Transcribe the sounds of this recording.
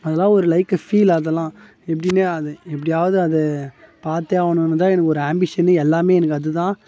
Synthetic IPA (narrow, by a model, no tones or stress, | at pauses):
ɐðɐlãːɔɾɯlɐɪkɐfiːlaːðɐlãː | ɛp̬ːɐɽɪnːeɐðɯɛp̬ːɐɽɪjaːʋɐðɯɐðɛ | paːɾt̪eaːʋɐnɯnɯt̪ãːɛnɐkːɔɾɯaːmbɪʂɐnɯɛlːaːmeːɛnɐkːɯɐðɯt̪ãː